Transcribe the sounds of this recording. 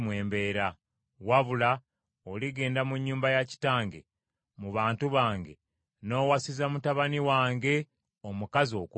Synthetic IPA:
mweːmbe̞ːɾa | waβula | oliɡe̞ːndamuɲːuːmbajaci̥taːŋɡe̞̰ | muβaːntuβaːŋɡe̞̰ | no̞ːwasizamutaβaniwaːŋɡe̞ | omukazio̞ːk

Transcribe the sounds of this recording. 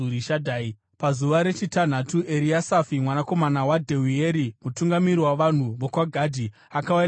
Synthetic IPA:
uɾiʃadʱaːi | pazuʋaɾe̞t͡ʃitan̤atuʔe̞ɾiasafimwanako̞manawadʱewieɾimutuŋɡamiɾiwaʋan̤uʋokwaɡʱadʱi | akawa

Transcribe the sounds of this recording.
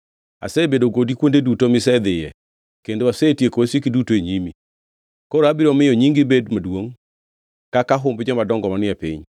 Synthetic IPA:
a̰sebedoɡodikwondedutomɪsɛd̪ɪjɛ | kendoasetjekoasekidutoeɲimi | kɔɾoabiɾɔmɪjɔɲiŋɡɪbedmadwoŋ | kakaɦʊmbd͡ʒɔmadɔŋɡɔmanɪapḭɲ

